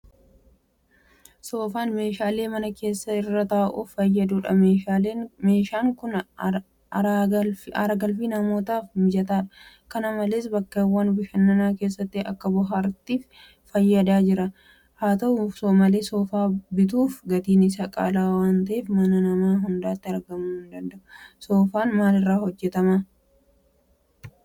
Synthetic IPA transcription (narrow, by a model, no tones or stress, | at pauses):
so̞ːfaːnme̞ːʃaːle̞ːmɐnɐke̞ːsːɐɪrːɐt̪aːʔuːfːɐjːɐd̪uːᶑɐmeːʃaːleːme̞ːʃaːŋkʊn | ɾaɐɐɾɐɡɐlfiːnɐmo̞ːt̪aːfmɪd͡ʒɐt̪aːᶑɐ̥ | kɐnɐmɐle̞ːsbɐkːɐɛwːɐnbɪʃɐnːɐnaːke̞ːs̬ːɐt̪ːɪɐkːɐbʊɦaːɾt̪iːf | fɐjːɐd̪aːd͡ʒɪɾɐ | haːt̪ɐʔuːfsoːmɐle̞ːsoːfaːbɪt̪̬uːfɡɐt̪iːnɪs̬ɐkʼa̰ːlaːwaːnt̪ɐʔeːfmɐnɐnɐmaːɦʊnd̪aːt̪ːɪɐɾɡɐmuːhʊnd̪ɐnd̪ɐʔʊso̞ːfaːnmaːlɪrːaːhɔd͡ʒːɛt̪ɐma